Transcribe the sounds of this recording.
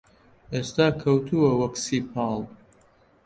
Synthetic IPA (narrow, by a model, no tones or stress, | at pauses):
ʔeːst̪aːkʰɐwt̪ʰuwɐwɐksiːpʰɑːlˠ